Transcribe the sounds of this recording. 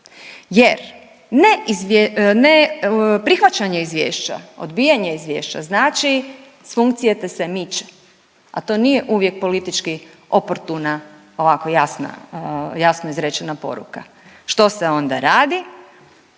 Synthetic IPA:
jeɾ | neizenepɾixʋat͡ɕaɲe̞izʋjḛːʃt͡ɕa̰o̞̰d̪bijaɲeizʋje̞̰ːʃt͡ʃa̰znaːt͡ʃi | sfuŋkt̪sijet̪ese̞mit͡ʃe̥ | at̪o̞ːnije̞ʔuʋje̞k̚po̞lit̪it͡ʃki | o̞poɾt̪una | o̞ʋako̞jasna̰jasnoizɾet͡ɕenapo̞̰ɾṵka | ʃt̪o̞seo̞nd̪a̰ɾaːd̪i

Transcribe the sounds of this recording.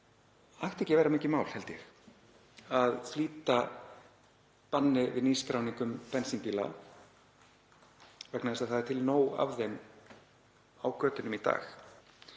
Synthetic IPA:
ajht̪ɛhcɪvɛːɾamɪːcɪmaːwl̥hɛlt̪ɪjɛx | aðfliːt̪a | panːɪvɪðniːskɾawniŋkʏmpɛnsimpiːla̰ | vɛknaðɛsaðθaðt̪ʰɪlnoːwa̰vðejm | awkʰœːt̪ɪnʏmit̪a̰ːx

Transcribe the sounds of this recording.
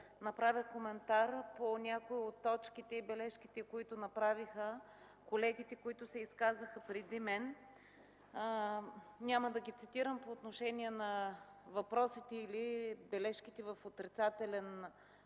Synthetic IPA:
nɐpɾavʲəxkomɛnt̪aɾponʲakoiot̪ːɔt͡ʃkit̪ɛibɛlɛʃkit̪ɛkoit̪ʊnɐpɾavixə | kolɛɡit̪ɛkoit̪ʊsɛiskazəxɐpɾɛd̪imɛn | nʲaməd̪ɐɡit̪sit̪iɾəmpoːt̪noʃɛnʲiɛnɐ | vɐpɾɔsit̪ɛilibɛlɛʃkit̪ɛvɐfot̪ɾit̪sat̪ɛlɛn

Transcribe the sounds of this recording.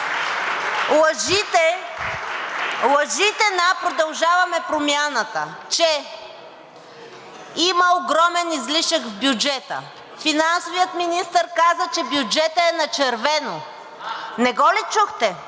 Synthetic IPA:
lˠəʒit̪ɛ | lˠɐʒit̪ɛnapɾod̪ɐlˠʒavɐmɛpɾomʲjanət̪ə̰t͡ʃɛ | iməoɡɾɔmɛnizliʃəkvbjud͡ʒɛt̪ə̰ | finansovijət̪minist̪əɾkazət͡ʃɛbjud͡ʒɛt̪əɛnɐt͡ʃɛɾvɛno | nɛɡɔlɛt͡ʃuxt̪ɛ

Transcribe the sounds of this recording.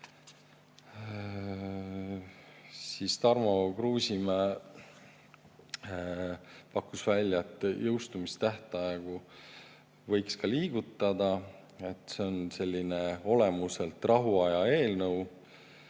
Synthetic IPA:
sist̪ɑrmokruːsʲimæ | pɑkːusvælʲjɑet̪ːˑjɤwst̪umist̪æht̪ɑeɡ̥u | vɤ̞jkskɑliːɡ̥ut̪ːˑɑd̪ɑ | e̞t̪ːˑseo̞nse̞lʲːine̞o̞le̞muse̞lt̪ˑrɑɦuɑjɑe̞ːlnɤw

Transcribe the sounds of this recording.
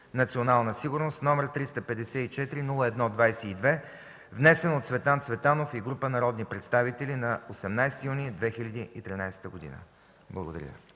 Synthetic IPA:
nɐt̪sionalˠnəsiɡuɾnost̪nɔmɛɾt̪ɾist̪əpɛd̪ɛsɛit͡ʃɛt̪ɾinulˠəɛd̪nɔd̪vajsɛid̪vɛ | vnɛsɛnot̪svɛt̪ant̪svɛt̪anofiɡɾupənɐɾɔd̪nipɾɛt̪st̪avit̪ɛlinɐosɛmnajst̪ijunid̪vɛxilʲɐd̪iit̪ɾinajsɛ̥t̪əɡod̪ḭnə̰ | blˠəɡod̪ɐ̰ɾʲjə̰

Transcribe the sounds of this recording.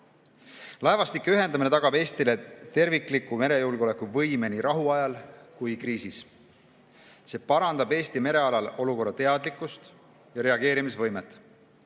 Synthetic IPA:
lɑevɑst̪ikːˑeyɦe̞nd̪ɑmine̞t̪ɑɡ̥ɑbe̞ːst̪ile̞t̪e̞rvikˑlikːˑume̞ɾe̞julɡeo̞le̞kːˑuvɤjme̞niɾʔɑɦuɑjɑlkujkriːsis | se̞ːpɑɾɑnd̪ɑbe̞ːst̪ime̞ɾe̞ɑlɑlo̞luko̞rːɑt̪e̞ɑd̪likːˑust̪ | jɑɾe̞ɑɡ̥e̞ːɾimisvɤjmet̪ːˑ

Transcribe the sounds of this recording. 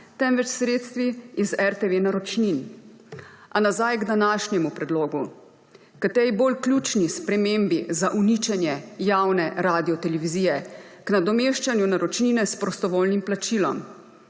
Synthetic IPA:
t̪ɛmʋɛt͡ʃsɾeːt̪st̪ʋiizɛɾt̪eʋenaɾɔt͡ʃnin | ʔanazajɡd̪anaːʃnjɛmupɾɛd̪loːɡu | kat̪ɛɾiboːlklʲjut͡ʃnispɾɛmembizaʔunit͡ʃɛnjɛjawnɛɾaːd̪iɔt̪ɛlɛʋiziːjɛknad̪ɔmeʃt͡ʃanjunaɾɔt͡ʃninɛspɾɔst̪ɔʋoːlnimplat͡ʃilɔ̰m

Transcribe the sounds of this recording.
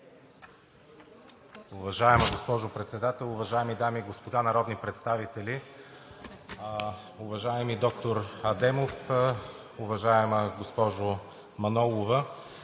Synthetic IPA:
ʊvɐʒaɛməɡospɔʒʊpɾɛt̪sɛd̪at̪ɛlˠʊvɐʒaɛmid̪amiːɡospod̪anɐɾɔd̪nipɾɛt̪st̪avit̪ɛli | ʊvɐʒaɛmid̪ɔkt̪oɾɐd̪ɛmof | ʊvɐʒaɛməɡospɔʒʊ | mɐnɔlˠovə

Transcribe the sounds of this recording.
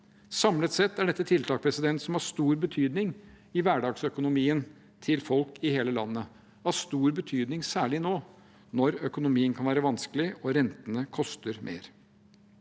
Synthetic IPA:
sɑmlət̪sɛt̪ːæɖɛt̪ːət̪ʰɪlt̪ʰɑːk̚pʰɾɛsɪd̪ɛnt̪sɔmhɑʂt̪uːɾbət̪ʰyːd̪nɪŋ | ɪʋæːɖɑːɡsœkʊnʊmiːən | t̪ʰɪlfɔlkɪheːləlɑ̰nːə | ɑʂt̪uːɾbət̪ʰyːd̪nɪŋsæːɭɪnoː | nɔɾœkʊnʊmiːənkʰɑnʋæːɾəʋɑnsklɪɔɾɛnt̪ənəkʰɔst̪əɾmʔḛːɾ

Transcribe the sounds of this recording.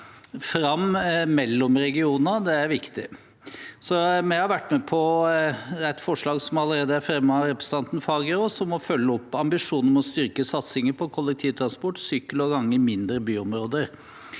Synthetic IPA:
fɾɑmmɛlːɔmɾɛɡɪuːnɑd̪ɛæɾʋɪkt̪ɪ | sɔmɛhɑɾʋæʈːmɛpʰɔ | æt̪fɔʂɭɑːɡsɔmɑləɾeːd̪əæɾfɾɛmːəɑɾɛpɾəsəɑnt̪n̩fɑːɡəɾɔsɔmːɔfœlːəɔpːɑmbɪʂuːnəɾmɛɔst̪ʏɾkəsɑt̪sɪŋəpʰɔkʰɔlːɛk̚t̪ʰiːʋt̪ʰɾɑnspɔʈːsyːkəlɔɡɑŋːəmɪnd̪ɾəbyːɔmɾoːd̪əɾ

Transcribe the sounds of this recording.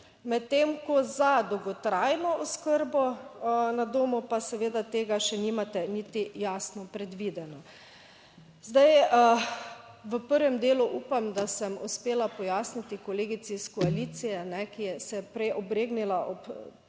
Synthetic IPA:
mɛt̪ːemkɔzad̪ɔwɡɔt̪ɾajnɔʔɔskəɾbɔnad̪oːmupasɛʋeːd̪at̪eːɡaʃɛniːmat̪ɛnit̪ijaːsnɔpɾɛd̪ʋid̪ɛnɔ | zd̪ajə | ʋəpəɾʋɛmd̪eːluʔuːpamd̪asəmuspeːlapɔjaːsnit̪ikɔleːɡit̪siskɔalit̪sijɛnɛkijɛsɛpɾɛjʔɔbɾeːɡnilaʔɔp

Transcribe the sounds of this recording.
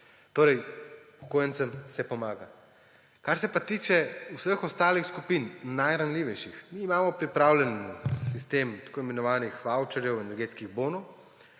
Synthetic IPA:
t̪oːɾɛjpɔ̥koːjənt̪səmsɛpɔmaːɡa | kaɾsɛpat̪iːt͡ʃɛusəxɔst̪aːlixskupiːnnajɾanlʲiːʋɛjʃixmiːmaːmɔpɾipɾaːwlʲɛnsist̪emt̪ḁkoːjmɛnɔʋaːnixʋawt͡ʃɛɾjɛwɛnɛɾɡeːt̪skiɣboːnɔw

